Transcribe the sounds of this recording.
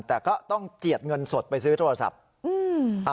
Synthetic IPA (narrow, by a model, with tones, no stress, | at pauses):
t̪ɛː˨˩kɔː˥˩t̪ɔ˥˩ŋt͡ɕi˨˩ət̪̚ŋɤ˧nso˨˩t̪̚pa˧jsɯː˦˥t̪ʰo˧ɾa˧sa̰˨˩p̚ | ʔɯː˧a˧